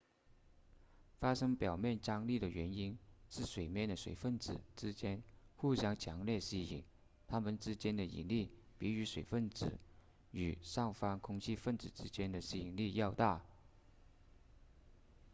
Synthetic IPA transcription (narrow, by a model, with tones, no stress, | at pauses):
fa˥ʂɤ˥ŋpjɑ˨˩ʊmjɛ˥˩nt͡ɕɑ˥ŋli˥˩d̪ə˩ɥɛ˧˥ni˥nʂɻ̩˥˩ʂwe˨˩ɪmjɛ˥˩nd̪ə˩ʂwḛ˨˩ɪfə˥˩nt͡sɹ̩˨˩ʈ͡ʂɻ̩˥t͡ɕjɛ˥nxu˥˩ɕjɑ˥ŋt͡ɕʰjɑ˧˥ŋljɛ˥˩ɕi˥ḭ˨˩˦ŋ | t̪ʰa˥mə˨nʈ͡ʂɻ̩˥t͡ɕjɛ˥nd̪ə˨ḭ˨˩nli˥˩ | pi˧˥y˧˥ʂwe˨˩ɪfə˥˩nt͡sɹ̩˨˩ | y˨˩ʂɑ˥˩ŋfɑ˥ŋkʰʊ˥ŋt͡ɕʰi˥fə˥˩nt͡sɹ̩˨˩ʈ͡ʂɻ̩˥t͡ɕjɛ˥nd̪ə˨ɕi˥i˨˩ŋli˥˧jɑ˥˧ʊt̪a˥˩